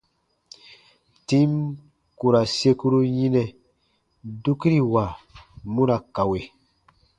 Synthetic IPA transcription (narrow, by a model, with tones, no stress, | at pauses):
tĩ˦m | ku˨ɾa˨se˧ku˦ɾu˦jĩ˦nɛ˨ | du˦ki˦ɾi˨wa˨mũ˦ɾa˨ka˨we˨